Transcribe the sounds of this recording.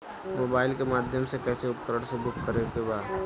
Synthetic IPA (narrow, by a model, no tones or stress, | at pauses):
moːbaːɪlkemaːd̪ʱjəmsekɛːseʊpkəɾəɽ̃sebʱʊkkəɾekebaːd̪